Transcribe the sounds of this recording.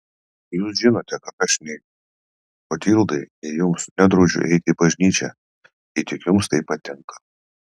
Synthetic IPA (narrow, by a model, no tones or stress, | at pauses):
juːsʒʲɪnoːt̪ʲɛkɐt̪ɐʃnʲɛɪʊ | oːt̪ʲiːlˠd̪ɐɪnʲɛjʊmsnʲɛd̪ɾoːd͡ʒʲʊ̰ʔɛɪt̪ʲɪbɐʒʲnʲiːt͡ʃʲɛ̰ | ɛɪt̪ʲɪkjʊmst̪ɐɪppːɐt̪ʲɪŋkɐ̥